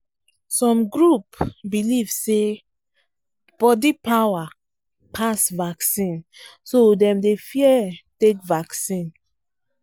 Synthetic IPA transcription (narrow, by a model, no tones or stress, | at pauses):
sɔ̃mɡɹupbilivse | b̥ɔdipawa | pʰasvaksĩnsodɛ̃mdefiɛtekvaksĩn